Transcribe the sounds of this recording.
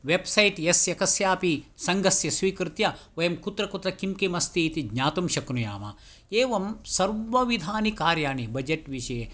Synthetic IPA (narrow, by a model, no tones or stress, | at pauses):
ʋebsɐjʈjesjɐkɐsjaːpisɐŋɡɐsjɐsʋiːkɾɨt̪jɐʋɐjɐmkut̪ɾɐkut̪ɾɐkimkimɐst̪iːt̪iɡɲaːt̪umʃɐknuja̰ːmɐ̰ | eːʋɐmsɐɾʋɐʋid̪ʱaːnikaːɾjaːnibɐd͡ʒeʈʋiʃɐje